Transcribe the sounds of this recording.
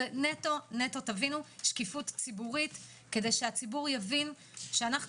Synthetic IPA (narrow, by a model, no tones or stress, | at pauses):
neto̞neto̞tavinuʃkifutt͡sibuʁit | ke̞de̞jʃeat͡sibuʁjavin | ʃeanaχ